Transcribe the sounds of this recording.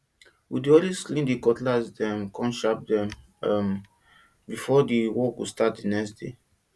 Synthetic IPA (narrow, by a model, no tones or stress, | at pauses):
widiɔlizslĩndikɔtlasdɛ̃mkɔ̃nʃap̚dɛ̃m | m | bifɔdiwɔkustatdinɛksde